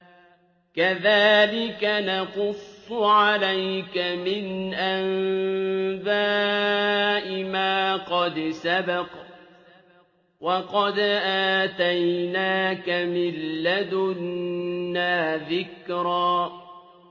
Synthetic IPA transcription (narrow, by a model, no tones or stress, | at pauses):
kaðaːlɪkanaqʊsˤːʊʕalajkamɪnʔam | baː | ʔɪmaːqɑd̪sabɑq | wɑqɑd̪ʔaːt̪ajnaːkamɪlːad̪ʊnː | aːðɪkɾaː